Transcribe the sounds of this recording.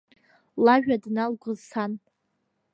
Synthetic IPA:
laʒᶣadnalɡʷʊzsʰan

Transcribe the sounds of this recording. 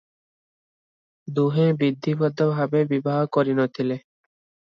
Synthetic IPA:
d̪uɦẽːbid̪ʱːibɔd̪ɔbɦabẽbibaːɦkɔɾinɔt̪ʰile

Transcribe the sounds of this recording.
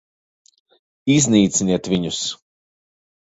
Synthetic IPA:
izniːt̪siniɛt̪vʲiɲus

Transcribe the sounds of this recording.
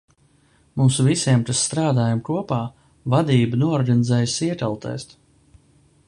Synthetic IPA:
muːsuvisʲiɛmkassːt̪ɾaːd̪aːjamkuɔpaː | vad̪iːbənuɔɔɾɡanɪzɛːjsiɛt̪alˠt̪ɛ̰ːst̪

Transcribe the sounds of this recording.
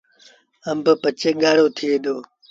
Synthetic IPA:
ɐmbəpət͡ɕeːɡaːɽoːt̪ʰied̪oː

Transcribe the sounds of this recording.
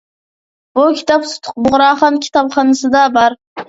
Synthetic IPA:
bʊkʲʰɪ̥t̪ʰɑpsʊ̥t̪ʰʊ̥q̚bʊʁɾɑχɑnkʲʰɪ̥t̪ʰɑpχɑnasɪd̪abɑɾ

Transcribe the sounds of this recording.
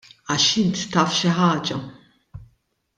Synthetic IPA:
ɐʃɪnt̪ːɐːfʃɪħɐːd͡ʒɐ

